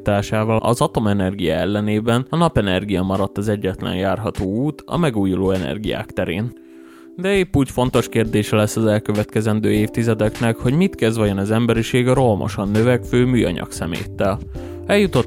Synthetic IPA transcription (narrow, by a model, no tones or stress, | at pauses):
t̪aːʃaːvɒlɒ̰zɒt̪o̞mɛnɛrɡijaɛlːɛneːbɛnɒnɒpɛnɛrɡijɒmɒɾɒt̪ːɒzɛɟːɛt̪lɛ̰njaːrɦɒt̪oːuːt̪ɒ̰mɛɡuːjuloːɛnɛ̰rɡija̰ːkt̪ɛɾḛːn | d̪ɛeːpːuːcfo̞nt̪o̞ʃkeːrd̪eːʃɛlɛsːɒzɛlkø̞vɛt̪kɛzɛnd̪øːeːft̪izɛd̪ɛknɛkho̞ɟmit̪kɛzvɒjonɒzɛmbɛɾiʃeːɡɒɾo̞lmo̰ʃonːøvɛkføːmyːjɒ̰ɲɒ̰ksɛmḛːt̪ːɛl | ɛljut̪o